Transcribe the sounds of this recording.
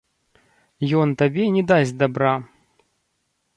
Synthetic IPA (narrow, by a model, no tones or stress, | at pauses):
jɔnt̪ɐbʲenʲɪd̪azʲd̪ɐbɾa